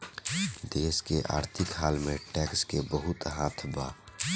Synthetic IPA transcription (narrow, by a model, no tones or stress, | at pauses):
d̪eːskeʔa̰ːɾt̪ʰɪkɦaːlmẽʈɛːkskebəɦʊt̪ɦaːt̪ʰbaː